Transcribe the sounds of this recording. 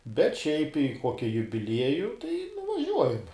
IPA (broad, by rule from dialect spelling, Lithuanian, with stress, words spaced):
bʲɛt ˈʃʲɛɪp ɪ ˈkoːkʲɪ jʊbʲɪˈlʲiɛjʊ tɐɪ nʊʋɐˈʒʲuɔjɛm